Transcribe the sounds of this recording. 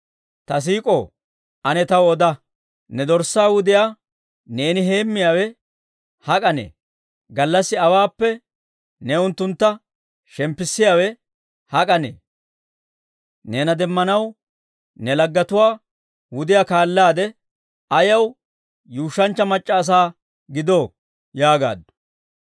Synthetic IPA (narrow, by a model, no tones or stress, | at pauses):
t̪ɐs̬iːkʼo | ɐnɛt̪ɐwɔd̪ɐ | nɛd̪ɔɾsːaːwʊd̪ɪjaː | ne̞ːnɪɦe̞ːmːɪjaːwɛ | hɐkʼɐnḛː | ɡɐlːɐsːɪɐwaːpːɛ | nɛʊnt̪ːʊnt̪ːɐ | ʃɛmpːɪsːɪjaːwɛ | hɐkʼɐnḛː | neːnɐd̪ɛmːɐnɐw | nɛlɐɡːɐt̪ʊwaː | wʊd̪ɪjakaːlːaːd̪ɛ | ɐjɐw | juːʃːɐnt͡ʃːɐmɐt͡ʃʼːɐːs̬aː | ɡɪd̪oː | jaːɡa̰ːd̪ːʊ̥